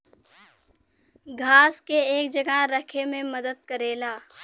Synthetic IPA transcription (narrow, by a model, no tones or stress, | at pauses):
ɡʱaːskeeːkd͡ʒəɡaɾəkʰemẽməd̪əd̪̚kəɾeːlaː